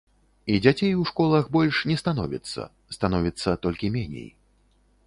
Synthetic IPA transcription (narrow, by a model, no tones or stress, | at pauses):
id͡zʲat͡sʲejwʂkɔlˠɐxbɔlʲʂnʲɛst̪anɔvʲḭt̪sːɐ̰ | st̪anɔvʲit̪sːɐt̪ɔlʲkʲimʲɛnʲḛj